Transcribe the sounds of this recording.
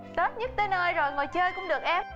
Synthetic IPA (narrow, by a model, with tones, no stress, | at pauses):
t̪o˦˥t̚ɲə˦˥t̚t̪e˧nʔəː˧jzo˨˩jŋo˨˩jt͡ɕəː˧jkʊ̰˧˥ŋ͡mɗɨ˨˩ək̚ʔɛ˧